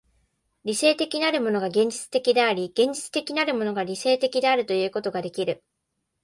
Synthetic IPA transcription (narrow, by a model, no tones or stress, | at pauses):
ɾʲise̞ːt̪e̞kʲinaɾɯ̟mo̞no̞ɡaɡẽ̞ɲ̟d͡ʑi̥t͡sɨ̥t̪e̞kʲid̪e̞aɾʲiɡ̥ẽ̞ɲ̟d͡ʑit͡sɨ̥t̪e̞kʲinaɾɯ̟mo̞no̞ɡaɾʲise̞ːt̪e̞kʲid̪e̞aɾɯ̟t̪o̞jɯ̟ːko̞t̪o̞ɡad̪e̞kʲiɾɯ̟